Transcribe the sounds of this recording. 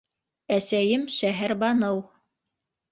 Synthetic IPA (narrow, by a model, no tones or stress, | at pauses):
æsæjɘmʃæɦæɾbɑnɤw